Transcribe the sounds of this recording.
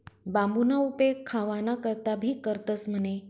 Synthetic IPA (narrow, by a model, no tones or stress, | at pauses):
bambunaupekʰːaʋanakəɾt̪abʱiːkəɾt̪əsm̤əne